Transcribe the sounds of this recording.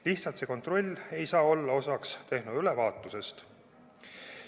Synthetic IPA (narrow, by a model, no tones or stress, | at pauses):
liht̪sɑlt̪se̞ko̞nt̪ro̞lʲːe̞jsɑːo̞lːɑo̞sɑkst̪e̞hnud̪ylevɑːt̪ːˑuse̞st̪